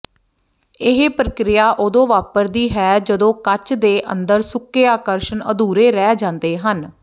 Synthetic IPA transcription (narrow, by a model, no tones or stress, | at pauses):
ɪɦpɾəkɾɪjaːʔʊd̪õːʋaːpəɾd̪iːɦɛːd͡ʒəd̪õːkət͡ʃd̪eːʔənd̪əɾsʊkːeːaːkəɾʃənə̰d̪uːɾeːɾɛːd͡ʒãːnd̪eːɦən